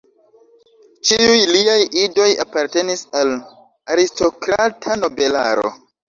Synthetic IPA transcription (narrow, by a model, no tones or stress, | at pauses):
t͡ʃiujliajido̞ja̰paɾte̞nisal | aɾisto̞kɾatʰano̞be̞la̰ɾo̞̰